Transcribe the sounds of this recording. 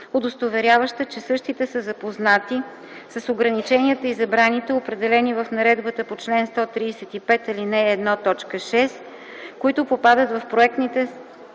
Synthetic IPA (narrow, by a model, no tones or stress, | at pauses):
od̪ost̪ovɛɾʲjavəʃt̪ət͡ʃɛsɤʃt̪it̪ɛsəzɐpoznat̪i | sɐsoɡɾɐnit͡ʃɛniət̪əizɐbɾanit̪ɛopɾɛd̪ɛlɛnivəfnɐɾɛd̪bət̪əpot͡ʃlɛnst̪ɔt̪ɾiːsɛt̪ipɛt̪ilinɛːd̪nɔt̪ɔt͡ʃkəʃɛs | koit̪ʊpopad̪ət̪vɐfpɾoɛk̚t̪nit̪ɛ